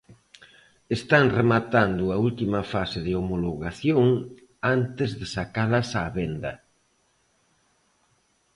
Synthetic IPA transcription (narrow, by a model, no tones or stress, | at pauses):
est̪aŋremat̪and̪ʊault̪imɐfaseðeomoloɣaθjoŋ | ant̪ɪzðesakalɐsaːβend̪ɐ